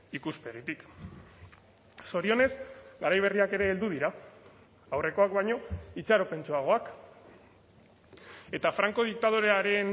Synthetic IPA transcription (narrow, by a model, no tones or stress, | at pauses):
ikuspe̞ɣ̞it̪ik | so̞ɾio̞ne̞zɡaɾajβ̞e̞riake̞ɾe̞ːld̪uðiɾaː | wre̞ko̞akβajɲo̞it͡ʃaɾo̞pe̞nt͡ʃoaɣ̞o̞ak | e̞t̪afɾaŋko̞ð̞ik̚t̪að̞oɾeaɾe̞n